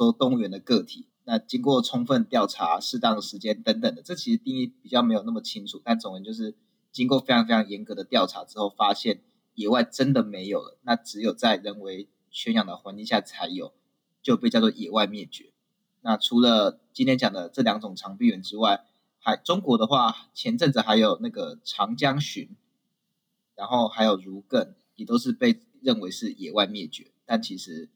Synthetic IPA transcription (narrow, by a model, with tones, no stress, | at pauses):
ɔ˥t̪ʊ˥˩ŋɥɛ˧˥nd̪ə˨kɤ˥˧˩t̪ʰḭ˨˩na˥˧t͡ɕi˥ŋkwɔ˥˨ʈ͡ʂʰʊ˥ŋfə˥˧nt̪jɑ˥˩ʊʈ͡ʂʰa˧˥ʂɻ̩˥˧t̪ɑ˥˩ŋd̪ə˩ʂɻ̩˧˥t͡ɕjɛ˥˦nt̪ə˧˥ŋt̪ə˨˩ŋd̪ə˩ʈ͡ʂɤ˥˩t͡ɕʰi˧˥ʂɻ̩˧t̪i˥˧ŋi˥˩pi˨˩t͡ɕjɑ˥˩ʊme˧˥ɪjo˨˩na˥˩mə˩t͡ɕʰi˥ŋʈ͡ʂʰu˨˩t̪a˥˩nt͡sʊ˨ŋɻə˧˦nt͡ɕjo˥˧ʊʂ̬ɻ̩˥˩ | t͡ɕi˥ŋkwɔ˥˧fe˥ɪʈ͡ʂʰɑ˧˥ŋfe˥ɪɑ˧ŋ˧jɛ˧˥nkɤ˧˦d̪ə˨t̪jɑ˥˩ʊʈ͡ʂʰa˧˥ʈ͡ʂɻ̩˥xo˥˩ʊfa˥ɕjɛ˥˩n | jɛ˨˩wa˥˩ɪʈ͡ʂə˦˥nd̪ə˨me˧˥ɪjo˨˩ʊlə̰˩na˥˩ʈ͡ʂɻ̩˧˥jo˨˩ʊt͡sa˥˩ɪɻə˧˥nwe˧˥ɪ | t͡ɕʰɥɛ˧˥njɑ˨˩ŋd̪ə˩xwa˧˥nt͡ɕi˥˧ŋɕja˥˩t͡sʰa˧˥ɪjo̰˨˩ʊ | t͡ɕjo˥ʊpe˥˧t͡ɕɑ˥˧wɔ˥˨jɛ˨˩wa˥˧ɪmjɛ˥˩t͡ɕɥɛ˧˥˦ | na˥˨ʈ͡ʂʰu˧˥lə˨t͡ɕi˥nt̪ʰjɛ˥nt͡ɕjɑ˨˩ŋd̪ə˦ʈ͡ʂɤ˥˩ljɑ˧˥ŋʈ͡ʂʊ˨˩ŋʈ͡ʂʰɑ˧˥ŋpi˥˩ɥɛ˧˥nʈ͡ʂɻ̩˥wa˥˩ɪ | xa˧˥ɪʈ͡ʂʊ˥ŋkwɔ˧˥˦d̪ə˧xwa˥˩t͡ɕʰjɛ˧˦˥nʈ͡ʂə˥˩nd͡z̩˨˩xa˧˥ɪjo˨˩ʊna˥˩ɡə˩ʈ͡ʂʰɑ˧˥ŋt͡ɕjɑ˥ŋɕy˧˥˦n | ɻa˧˥nxo˥˩ʊxa˧˥ɪjo˨˩ʊɻu˧˥kə˥˩n | jɛ˨˩t̪o˥ʊʂ̬ɻ̩˥˧pe˥˧ɪ | ɻə˥˩nwe˧˥ɪʂɻ̩˥˩jɛ̰˨˩wa˥˧ɪmjɛ˥˩t͡ɕɥɛ̰˧˥˦t̪a˥˩nt͡ɕʰi˧˥ʂɻ̩˧˦